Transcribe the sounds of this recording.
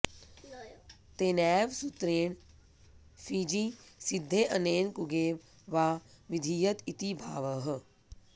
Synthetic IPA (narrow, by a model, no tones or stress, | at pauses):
t̪eːnɛːʋsut̪ɾeːɳ | fʰiːd͡ʒisɪd̪ʱːeːʔəneːnkʊɡeːʋ | ʋaːʋɪd̪ʱiːjət̪it̪ibʱaːʋəɦ